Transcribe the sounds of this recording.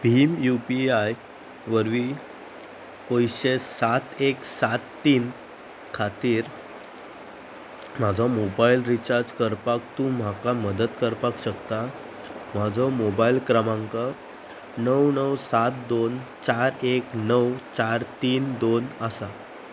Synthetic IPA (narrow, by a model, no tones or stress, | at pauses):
bʱiːmjupiaj | ʋəɾʋi | pojɕesat̪eksat̪ːiːn | kʰat̪iːɾ | m̤ad͡zʱɔmobailɾit͡ɕaɾd͡zkəɾpak̚t̪ũːm̤akaməd̪ət̪kəɾpakɕəkt̪a | m̤ad͡zʱɔmobailkɾəmãŋkə | nəwnəwsat̪̚d̪ont͡ɕaɾeknəwt͡ɕaɾt̪iːnd̪onəsa